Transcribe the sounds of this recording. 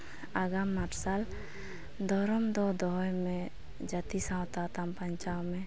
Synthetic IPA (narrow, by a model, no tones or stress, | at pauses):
aɡamːaʈsal | d̪ɔɾɔmd̪ɔd̪ɔɦɔjmẽ | d͡ʒət̪isãwt̪at̪ampaɲt͡ʃawme